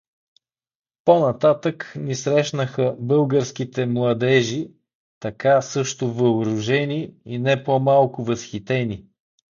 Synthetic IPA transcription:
ponɐt̪at̪əknisɾɛʃnəxəbɤlˠɡəɾsk̟it̪ɛmlˠɐd̪ɛʒi | t̪ɐkasɤʃt̪ʊvəʊɾʊʒɛniinɛpomalˠkʊvəsxit̪ɛni

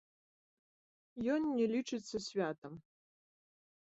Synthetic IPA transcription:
jɔnːʲɛlʲiʈ͡ʂʰɨt͡sːɐsʲvʲat̪ʰɐm

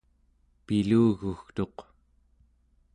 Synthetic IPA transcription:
piluːɣuxt̪o̞q

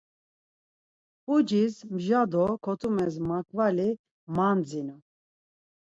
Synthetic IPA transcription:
ud͡ʒismʒad̪ɔkʰɔt̪ʰumɛs̬makʼvali | mand͡zinu

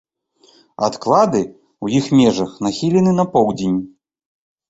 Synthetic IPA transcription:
a̰t̪klˠad̪ɨ | wjixmʲɛʐɐxn̪axʲilʲɛnɨnɐpɔwd͡zʲenʲ

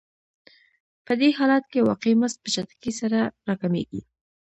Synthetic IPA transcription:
pəd̪ehɑlat̪kewɑ̰qeməst̪̚pət͡ʃat̪ḁkisaɾanɑkamḛɡḭ

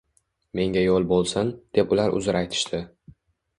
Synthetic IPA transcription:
me̞ŋɡʲajolˠbolˠsɪnd̪̥e̞pʊlaɾʔʊ̰zɪɾajt̪ʰɪ̥ʃt̪ʰɪ

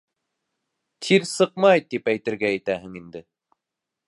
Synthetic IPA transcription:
t̪ʰiɾsɤq̚mɑjt̪ipæjt̪ɘ̆ɾɡææjt̪æɦɘŋind̪ɘ

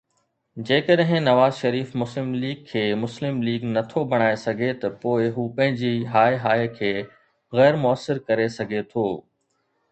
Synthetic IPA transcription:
d͡ʑeːkəɗɦɪ̃nɐʋaːzʃɐɾiːfmʊslɪmliːɡ̚kʰeːmʊslɪmliːɡnɐt̪ʰobʱɐɽ̃aːesɐɡʱet̪ɐpoːɪɦuːpɐ̃ɦɪ̃ɲd͡ʑiɦaːeɦaːjkʰeː | ɣɛːɾmʊəsːɪɾkɐɾesɐɡʱet̪ʰoː

